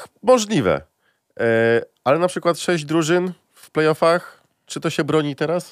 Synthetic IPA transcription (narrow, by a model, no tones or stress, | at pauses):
mɔʐlʲivɛ̰ | alɛnapʂɘkwat̪ʂɛʑd͡ʑd̪ɾuʐɘn | fplɛjɔfax | t͡ʂɘt̪ɔɕɛbɾɔɲit̪ɛɾas